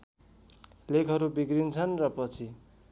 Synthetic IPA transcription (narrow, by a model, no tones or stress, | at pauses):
lekʰʌɾubiɡɾint͡sʰʌnrʌpʌt͡sʰi